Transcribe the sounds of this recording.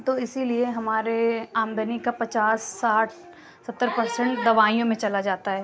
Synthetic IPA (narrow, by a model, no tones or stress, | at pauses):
t̪oɪsilieɦɐmaːɾeãːmb̪ənikapɐt͡ʃaːsːaːʈʰ | sɐt̪ːəɾpɐɾsə̃ɳʈd̪ɐʋaːijõmẽt͡ʃɐlad͡ʒaːt̪aɦɛː